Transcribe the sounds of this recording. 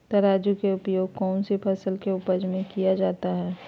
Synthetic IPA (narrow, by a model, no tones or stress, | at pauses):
t̪ɐɾaːd͡ʒukeʊpjoːɡ̚kɔːnsepʰɐsəlkeʊpəd͡ʒmẽkijad͡ʒaːt̪aɦɛː